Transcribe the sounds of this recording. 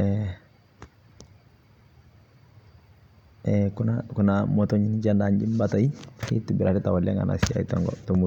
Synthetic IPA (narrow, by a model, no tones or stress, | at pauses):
ɛ | ɛkunakunamɔtɔɲiniɟandaɲɟimbataikḭtubiɾʔaɾitawalɛŋa̰nʔa̰sia̰itɔŋɡɔ̰tɔmu